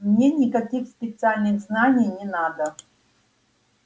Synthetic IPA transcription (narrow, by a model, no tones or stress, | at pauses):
mnʲenʲɪkɐkʲixspʲɪt̪sɨalʲnɨɣznanʲɪjnʲɪnad̪ə